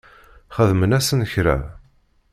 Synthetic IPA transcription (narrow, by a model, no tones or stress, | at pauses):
χəðmənæsənəçɾæ̰